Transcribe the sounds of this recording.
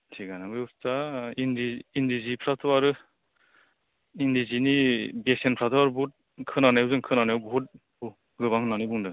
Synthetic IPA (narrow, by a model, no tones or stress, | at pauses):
tʰiɡanabɯustaindiːndizipʰɾatʰɔaɾɯ | indizinibek̚senpʰɾatʰɔaɾɯbut̚ | kʰɯnanajuwzɯŋkʰɯnanajwbɔɦut̚ | bu | ɡɯβaŋɯnanɯjbuŋdɯ